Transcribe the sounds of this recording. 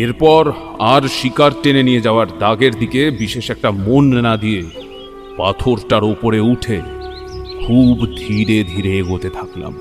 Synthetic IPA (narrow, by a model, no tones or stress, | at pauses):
eɾpɔɾ | aɾʃikaɾʈenenijed͡ʑaoaɾd̪aɡeɾd̪ikebiʃeʃɛk̚ʈamonːad̪ije | pa̰t̪ʰoɾʈaɾopoɾeuʈʰe | kʰubd̪ʱiɾed̪ʱiɾeɡot̪et̪ʰakla̰m